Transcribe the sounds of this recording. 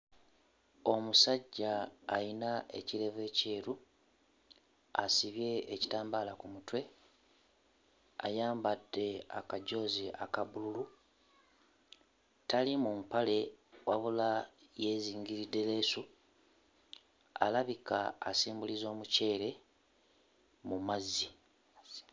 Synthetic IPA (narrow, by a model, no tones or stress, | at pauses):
o̞musaɟːaːjinae̞̰ciɾe̞ve̞ːce̞ːɾu | asiβje̞ːci̥taːmbaːlakumutwe̞ | a̰jaːmbad̥ːe̞a̰kaɟo̞ːziʔakaβululu | talimumpale̞waβulaje̞ːziːŋɡiɾidːe̞le̞ːsu | a̰laβikaːsiːmbulizo̞ːmuce̞ːɾe̞ | mumazːi